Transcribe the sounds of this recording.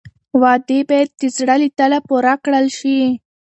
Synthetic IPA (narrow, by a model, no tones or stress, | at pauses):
wɑd̪ebɑjad̪̚ːizɽalit̪əlapuɾakɽəlʃi